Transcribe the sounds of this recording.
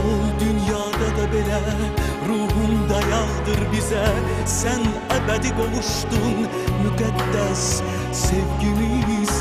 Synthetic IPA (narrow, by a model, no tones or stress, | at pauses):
olˠd̪ynjɑd̪ɑd̪ɑbelæ | ɾuɦʊmd̪ɑjɑʁd̪ɨɾbɪzɛ | sæn | æbæd̪ɪbolˠʊʃt̪ʊn | mykæd̪ːæsː | evɡʲɪmiz